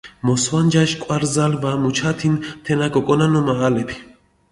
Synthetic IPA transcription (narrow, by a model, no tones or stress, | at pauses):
mɔswand͡ʒaʃkʼwaɾzalvamut͡ʃʰat̪ʰint̪ʰɛnakʼɔkʼɔnanɔmaːlɛpʰi̥